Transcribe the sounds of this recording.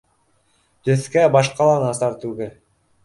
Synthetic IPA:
t̪ɵθkæbɑʃqɑlˠɑnɑst̪ɑɾt̪ʉɡɘl

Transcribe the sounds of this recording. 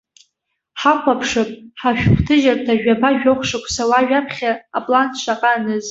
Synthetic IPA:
ħakʷʰapʰʂɨpʼħaʃᶣχʷtʰɨʒartʰaʒᶣapʰaʒᶣoχʷʂɨkʷʰʼsawaʒᶣapʰχʲaːpʼlantʰʃʷʰaqʼanɨz

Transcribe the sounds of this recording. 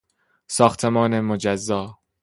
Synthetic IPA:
sɒːxt̪ʰemɒːnemod͡ʒæzːɒː

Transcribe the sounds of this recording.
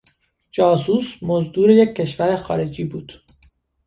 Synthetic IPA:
d͡ʒɒːsuːsmozd̪uːɾe̞jecʰːe̞ʃvæɾexɒ̰ːɾe̞d͡ʒiːbuːd̪̥

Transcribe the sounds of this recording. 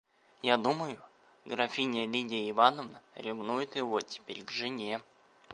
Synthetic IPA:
jad̪uməjʊ | ɡɾɐfʲinʲɪəlʲidʲɪəɪvanəvnəɾʲɪvnujʊt̪jɪvotʲɪ̥pʲeɾʲɡʐɨnʲe

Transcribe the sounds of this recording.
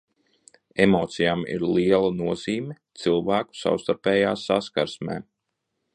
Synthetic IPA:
emoːt̪sijamḭɾliɛlˠanuɔz̥iːmʲɛt̪silˠvæːku̥sa̰wst̪aɾpɛːjaːsaskaɾsmɛ̰ː

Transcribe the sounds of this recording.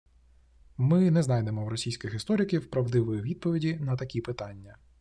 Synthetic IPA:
mɪnɛznɑjd̪emɔwɾɔsʲijsʲkʲɪxɪst̪ɔɾʲɪkʲiwpɾɐwd̪ɪʋɔjʋʲid̪̚pɔʋʲidʲinɐt̪ɐkʲipɪt̪ɑnʲːɐ

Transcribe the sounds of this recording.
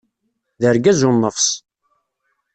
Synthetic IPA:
ðəɾɡæzʊnːəfs

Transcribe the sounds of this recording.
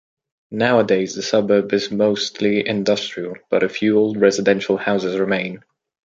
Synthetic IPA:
naʊədeɪzðəsʌbəːbɪzmoʊstʰliɪ̰̃ndʌstɹ̥iəlˠb̥ʌɾɨfjʉlˠɹɛzɨdɛ̃nʃəl̩ˠhaʊzɪzɹɪmẽɪ̃n

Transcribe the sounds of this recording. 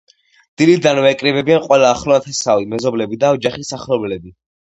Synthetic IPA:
d̪̥ilid̪anvɛkʼɾibɛbianqʼwɛlaːχlɔat̪ʰɛsavimɛzɔblɛbid̪aɔd͡ʒaχisaχlɔbɛlɛbi

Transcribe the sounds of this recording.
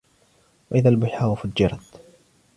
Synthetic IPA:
waʔɪðaːlbʊħaːwafad͡ʒːɪɾˤɑt̪

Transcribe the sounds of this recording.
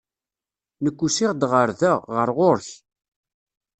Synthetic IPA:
nəkʷːusɪʁd̪ʁəɾðæʁəɾʁoɾç

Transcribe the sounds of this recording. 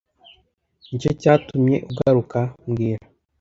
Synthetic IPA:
ɲit͡ʃocaːtumɲe̞̰ʔuɡaɾukamɡiːɾa

